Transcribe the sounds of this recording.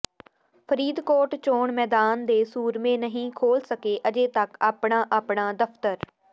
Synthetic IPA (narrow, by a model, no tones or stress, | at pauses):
pʰəɾiːd̪koːʈt͡ʃoːɳmɛːd̪aːnd̪eːsuːɾmẽːnəɦĩːkʰoːlsəkeːʔəd͡ʒeːt̪əkaːpɳãːʔaːpɳaːd̪əpʰt̪əɾ